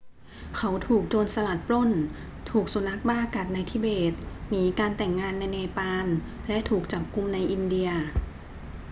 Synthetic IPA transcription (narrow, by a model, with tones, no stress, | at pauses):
kʰa˦˥wt̪ʰuː˨˩k̚t͡ɕoː˧nsa˧la˨˩t̪̚pɾo˥˩n | t̪ʰuː˨˩k̚su˧˦na˦˥k̚baː˥˩ka˨˩t̪̚na˧jt̪ʰi˦˥˩beː˨˩t̪̚miː˨˩˦kaː˧nt̪ɛ˨˩ŋːaː˧nːa˧jnɛː˧paː˧n | lɛ˦˥ʔt̪ʰuː˨˩k̚t͡ɕa˨˩p̚ku˧mna˧jʔi˧ndi˧ɐ